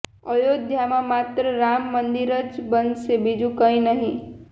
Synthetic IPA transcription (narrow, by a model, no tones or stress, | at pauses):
əjod̪ʱjamãmat̪ɾəɾamːənd̪iɾəd͡ʒbənd̪sebid͡ʒũkəĩnəɦĩ